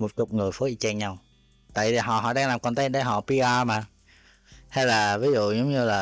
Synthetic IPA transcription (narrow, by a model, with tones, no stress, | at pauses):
mo˨˩t̚t͡ɕʊ˨˩k͡p̚ŋɨ˨˩əjfəː˨˦ʔi˧t͡ɕɛ˧ŋɲa˧w | t̪a̰ː˧˨jt̪ʰi˨˩ɦɔ̰˧˨ɦɔ̰˧˨ɗaː˧ŋlaː˨˩mkɔ˧nt̪a˨˦˥t̚ɗə˧˩ɦɔ̰˧˨pi˧ʔaː˧maː˨˩ | ha˧jlaː˨˩vi˨˦zṵ˧˨zə˨˦wŋ͡mɲɨ˧laː˨˩